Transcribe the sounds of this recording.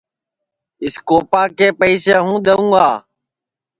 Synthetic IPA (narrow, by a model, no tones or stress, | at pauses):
ɪskoːpaːkeːpəiseːɦũːɗ̪əũːaː